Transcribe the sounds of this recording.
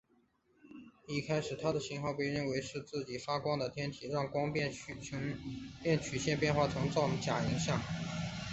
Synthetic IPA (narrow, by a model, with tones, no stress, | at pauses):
i˥˩kʰa˥ɪʂɻ̩˨˩t̪ʰa˥d̪ə˨ɕi˧˥ŋxɑ˥˧ʊpe˥˧ɪɻə˥˩nwe˧˥ɪʂɻ̩˥˧t͡sɹ̩˥˩t͡ɕi˨˩fa˥kwɑ˥ŋd̪ə˨t̪ʰjɛ˥nt̪ʰi˨˩ɻɑ˥˩ŋkwɑ˥ŋp | pjɛ˥˩nt͡ɕʰy˨˩ɕjɛ˥˧npjɛ˥˧nxwa˥˩t͡sʰɤ˧˥ŋʈ͡ʂɑ˥˩ʊə˨˩t͡ɕja˨˩i˧˥ŋɕjɑ˥˩ŋ